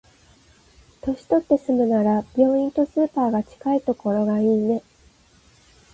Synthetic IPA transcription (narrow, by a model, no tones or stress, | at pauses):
t̪o̞ɕi̥t̪o̞t̪ːe̞sɨmɯ̟naɾab̥ʲo̞ːĩnt̪o̞sɨːpaːɡat͡ɕi̥kait̪o̞ko̞ɾo̞ɡaiːne̞